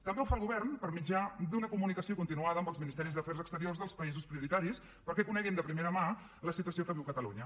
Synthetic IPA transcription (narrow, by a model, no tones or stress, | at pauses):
t̪əmbeuwfalˠɣuβɛrnpəɾmid͡ʒad̪unəkumunikəsiokunt̪inuaðəmbəlˠzminist̪ɛɾizðəfɛɾzəkst̪əɾiorzðəlˠspəizuspɾiuɾit̪aɾis | pəɾkɛkunɛɣind̪əpɾimeɾəma | ləsit̪uəsiokəβiwkət̪əlṵɲə